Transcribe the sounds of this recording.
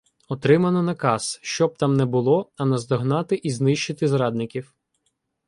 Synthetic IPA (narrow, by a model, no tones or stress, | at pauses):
ɔt̪ɾɪmɐnɔnɐkɑsʃt͡ʃɔb̚t̪ɑmnɛbʊlˠɔɐnɐzd̪ɔɦnɑt̪ɪʔiznɪʃt͡ʃɪt̪ɪzɾɑd̪̚nɪkʲiw